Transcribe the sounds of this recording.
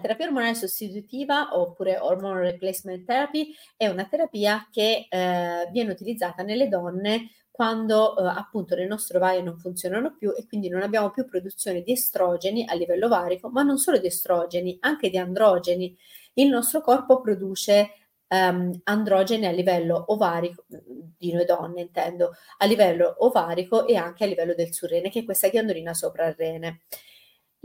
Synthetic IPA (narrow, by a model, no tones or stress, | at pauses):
lat̪eɾapiːaormonalesost̪it̪ut̪iːvaʔopːuːɾeʔormɔnreplɛsment̪ɛɾapi | ɛunat̪eɾapiːak̟e | vjɛːneut̪ilid̪zːaːt̪anelːed̪ɔnːe | kwand̪oapːunt̪onelnɔst̪ɾovaːjonoɱfunt̪sjoːnanopjuʔekwind̪inonabːjaːmopjupːɾod̪ut̪sːjoːned̪iest̪ɾɔːd͡ʒeniʔalːivɛlːovaːɾikomanːonsoːlod̪iest̪ɾɔːd͡ʒeniaŋk̟ed̪iand̪ɾɔːd͡ʒeni | ilnɔst̪ɾokɔrpopɾod̪uːt͡ʃe | and̪ɾɔːd͡ʒenialːivɛlːoʔovaːɾikod̪inojd̪ɔnːeint̪ɛnd̪oalːivɛlːoʔːvaːɾikoʔeaŋk̟ealːivɛlːod̪elsurːɛːnek̟eɛkːwest̪aɡjand̪oliːnasoːpɾarːɛːne